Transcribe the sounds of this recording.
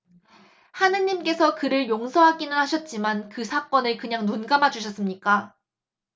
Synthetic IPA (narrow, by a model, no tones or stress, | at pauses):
hanɯɲimk͈e̞sʰʌkɯɾɯɭjoŋsʰʌɦaɡinɯnhaɕʰʌt̚t͡ɕ͈imankɯsʰak͈ʌnɯɭkɯɲaŋnunɡamad͡ʑuɕ̬ʰʌs͈ɯmɲik͈a